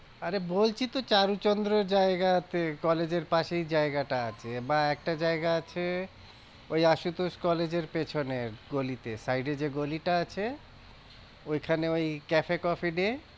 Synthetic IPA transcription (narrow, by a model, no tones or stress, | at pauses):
aɾebolt͡ɕʰit̪ot͡ɕaɾut͡ɕond̪ɾoɾd͡ʑaeɡat̪ekɔled͡ʑeɾpaʃejd͡ʑaeɡaʈaat͡ɕʰebaɛk̚ʈad͡ʑaeɡaat͡ɕʰe | ojaʃut̪oʃkɔled͡ʑeɾpet͡ɕʰoneɡolit̪esajɖed͡ʑeɡoliʈaat͡ɕʰe | ojkʰaneojkɛfekɔfiɖe